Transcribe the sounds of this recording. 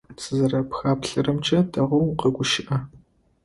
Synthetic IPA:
t͡sʰɨzɐɾɐpxaːpɬɐrɨmt͡ʃʰʼɐdʰɐʁʷʊwqɐɡʷʊʃɪʔɐ

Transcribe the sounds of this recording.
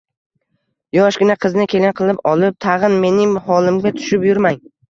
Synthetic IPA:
jɒʃɡʲɪnaqʰɨznɪkʲʰe̞lɪnqʰɨlˠɪpɒlˠɪp̚t̪ʰɑʁɨnme̞nɪŋhɒlˠɪmɡʲat̪ʰʊ̥ʃɪpjʊɾmaŋ

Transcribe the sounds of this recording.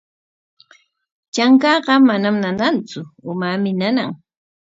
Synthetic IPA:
t͡ʃaŋkɑːɢɑmanamnanant͡sʊʊmamɪnanaŋ

